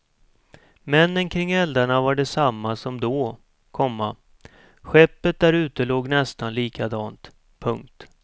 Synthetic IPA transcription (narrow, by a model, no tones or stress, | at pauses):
mɛnːənkʰɾɪŋːɛld̪aɳavaɖɛsamːasɔmd̪ɔː | kʰɔmːa | ɧɛpːət̪̚d̪æɾʉ̟ːt̪əloːɡnɛst̪anliːkʰad̪ɑːnt̪ | pʰɵŋk̚t̪